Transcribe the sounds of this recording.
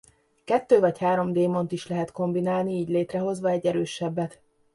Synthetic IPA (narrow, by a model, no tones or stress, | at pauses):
kɛt̪ːøːvɒchaːɾo̞md̪eːmo̞nt̪iʃlɛɦɛt̪ko̞mbinaːlniiːɟleːt̪rɛɦo̞zʋɒɛɟːɛɾøːʃɛbːɛt̪